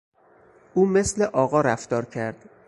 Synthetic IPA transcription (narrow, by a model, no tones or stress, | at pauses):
ʔuːme̞sleʔɒːɣɒːɾæft̪ɒːɾcʰæɾd̪̥